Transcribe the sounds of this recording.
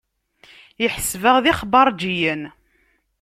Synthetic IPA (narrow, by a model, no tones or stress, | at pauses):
jəħsvəʁðiχbɑɾˤd͡ʒijən